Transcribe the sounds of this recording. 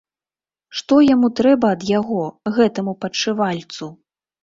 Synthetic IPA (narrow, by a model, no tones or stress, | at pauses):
ʂt̪ɔjamut̪ɾɛbɐːd̪jaɣɔɣɛt̪ɐmupɐt͡ʂɨvalʲt̪su